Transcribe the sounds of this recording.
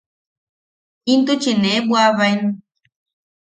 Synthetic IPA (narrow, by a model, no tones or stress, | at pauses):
int̪ut͡ʃinẽebwaβajn